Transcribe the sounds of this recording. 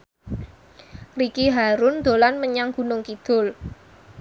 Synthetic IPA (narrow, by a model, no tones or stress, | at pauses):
rikiɦaɾʊnd̪̥o̤lanməɲaŋɡ̥ṳnʊŋkid̪̥o̤l